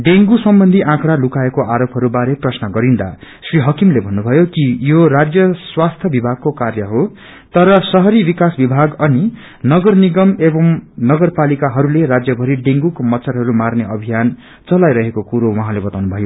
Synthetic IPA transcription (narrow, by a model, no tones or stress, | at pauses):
ɖeŋɡusʌmbʌnd̪ʱiʔãkɽalukaekoʔaɾopɦʌɾubaɾeprʌsnʌɡʌɾind̪a̰ | sriɦʌkimlebʱʌnːubʱʌjokijorad͡zjʌswast̪ʰjʌbibʱaɡ̚kokarjʌɦo | t̪ʌɾʌsʌɦʌɾibikasbibʱaɡʌni | nʌɡʌrniɡʌmebʌmnʌɡʌrpalikaɦʌɾuleɾad͡zjʌbʱʌɾiɖeŋɡukomʌt̪sʰʌɾɦʌɾumarneʌbʱijan | t͡sʌlajɾʌɦekokuɾowʌɦãlebʌt̪awnubʱʌjo